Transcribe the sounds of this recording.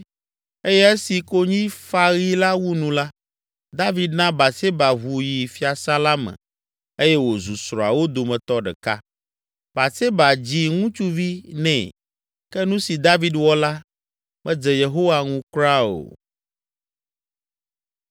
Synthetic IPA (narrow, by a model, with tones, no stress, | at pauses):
e˦jɛ˦e˦si˨ko˦ɲĩ˦fa˦ɣi˦la˦wu˦nũ˨la˦ | d̪a˦vi˦d̪nã˦ba˨se˦ba˨βu˨ji˨fi˦a˨sa˦la˦mɛ̰̃˨ | e˦jɛ˦wo˨zu˨sɾɔ˨a̰˨wo˦d̪o˨mɛ̃˨t̪ɔ˦ɖɛ̰˨ka˦ | ba˨se˦ba˨d͡ʑi˦ŋũ˦t͡ʃu˦vi˦nɛ̰̃˨ | kɛ˦nũ˦si˨d̪a˦vi˨d̪wɔ˦la˦ | mɛ̃˨d͡zɛ˨je˨ɦo˦wa˨ŋũ˦kɾa˦o̰˨